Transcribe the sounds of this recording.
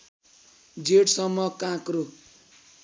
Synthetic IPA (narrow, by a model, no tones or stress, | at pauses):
d͡zeɽsʌmːʌkãkɾo